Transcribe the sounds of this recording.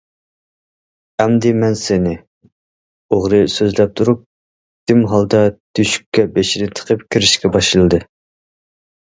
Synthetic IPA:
ɛmd̪ɪmɛnsenɪ | oʁɾɨsøzlɛp̚t̪ʰuɾup̚ | d̪̥ɪmɦɑlˠd̪ɑd̪̥yʃy̥kʲːɛbeʃiɾɪt̪ʰə̥qʰəpkʲʰiɾɪʃkʲɛbɑʃɨlˠɨd̪ɨ

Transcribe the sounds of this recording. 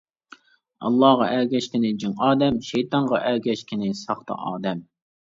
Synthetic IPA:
ɑ̰lˠːɑːʁɑʔæɡʲɛʃkʲɪnɪd͡ʒɨŋɑːd̪ɛmʃɛjt̪ɑɴʁɑʔæɾɡʲɛʃkʲʰɪnɪsɑχt̪ʰɑ̰ʔɑːd̪ɛm

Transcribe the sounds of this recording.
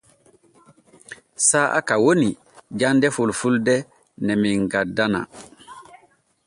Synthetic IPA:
saːʔa̰kawoni | d͡ʒandɛfulfuldɛ | nɛmiŋɡadːana̰

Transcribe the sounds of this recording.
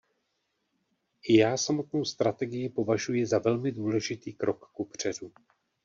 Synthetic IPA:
ɪjaːsamot̪no̞wst̪ɾat̪ɛɡɪjɪpo̞vaʒujɪzavɛlmɪduːlɛʒɪt̪iːkɾʔo̞kːupr̝̥ɛdu

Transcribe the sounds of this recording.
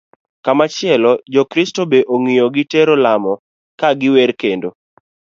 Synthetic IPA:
kamat͡ʃɪɛlɔd͡ʒɔkɾɪstobeʔoŋijoɡɪteɾolamɔ | kaɡɪwɛɾkendo

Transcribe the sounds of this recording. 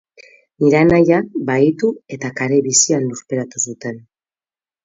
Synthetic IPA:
niɾanajabait̪ue̞t̪akaɾe̞βisianluɾpe̞ɾat̪usut̪e̞n

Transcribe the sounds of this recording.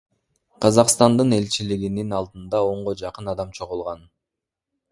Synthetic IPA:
qʰɑzɑqst̪ɑnd̪ɯne̞lʲt͡ʃiliɡininɑlˠd̪ɯnd̪ɑo̞ɴʁod͡ʒɑqɯnɑd̪ɑmt͡ʃʰo̞ʁulˠʁɑn

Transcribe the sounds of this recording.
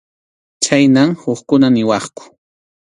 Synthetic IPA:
t͡ʃajnaŋhoχkʊnanɪwɑχkʊ̥

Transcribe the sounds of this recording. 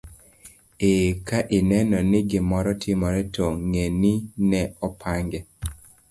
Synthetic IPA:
ekaʔɪnɛnɔnɪɡɪmɔɾɔtʰimɔɾɛtɔŋeninɛɔpʰaŋɡɛ

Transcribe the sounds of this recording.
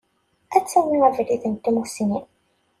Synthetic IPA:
æt͡sːæwmiævɾiθənt̪ːimusini

